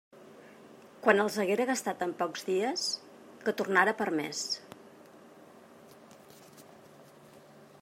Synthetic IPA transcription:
kwanəlˠzəɣeɾəɣəst̪at̪əmpɔkzðiəs | kət̪urnaɾəpəɾmḛs

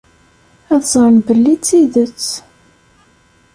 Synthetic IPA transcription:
æðzˤɾnbəlːit͡sːiðət͡sː

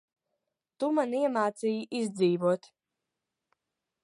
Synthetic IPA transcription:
t̪umaniɛmaːt̪sijiʔizʲd̪ziːvuɔt̪

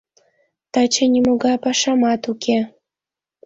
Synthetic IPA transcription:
t̪ɑt͡ɕĕnʲimoɣɑpɑʃɑmɑt̪ukʲe

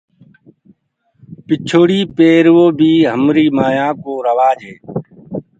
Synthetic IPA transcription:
pɪt͡ʃʰoːɽiːpeːɾʋoːbʱiːɦəmɾiːmaːjãːkoːɾəʋaːd͡ʒʱeː

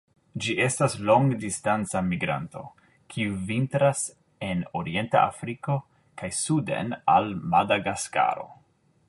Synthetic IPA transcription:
d͡ʒiʔe̞stasloŋɡdistant͡samiɡɾa̰nto̞̰ | kʰiuvintɾas | e̞noɾie̞nta̰a̰fɾiko̞ | kajsudḛnalmadaɡaska̰ɾo̞̰

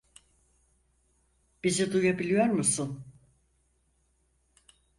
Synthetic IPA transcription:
b̥izid̪ujabilʲijo̞ɾmusun

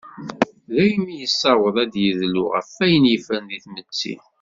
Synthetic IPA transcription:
ðæjəmijəsːɑwəðˤæd̪jəðlʊ̰ʁə̰fːæjənjfænðiθmət͡sːḭ

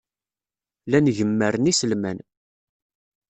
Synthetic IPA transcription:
lænʝəmːəɾənisəlmæn

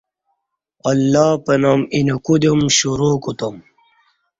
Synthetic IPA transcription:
ɐlːaːpɐnaminɐkud̪omɕuɾoːkot̪om

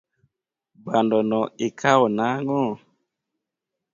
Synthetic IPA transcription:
bandɔnɔekʰaɔnaŋɔ

